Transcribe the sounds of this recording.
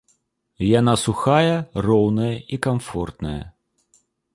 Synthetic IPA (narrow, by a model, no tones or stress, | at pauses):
janasuxajɐrɔwnɐjɐikamfɔrt̪nɐ̰jɐ̰